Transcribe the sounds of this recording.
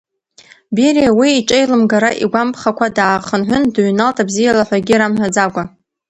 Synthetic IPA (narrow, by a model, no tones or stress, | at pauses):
beɾiawiːʈ͡ʂʼejlɨmɡaɾaʔḭɡʷampʰʼχakʷʰadaːχənħʷʊndɥnaltʼabzijalaħʷᶣaɡʲiɾamħʷᶣad͡zaɡʷa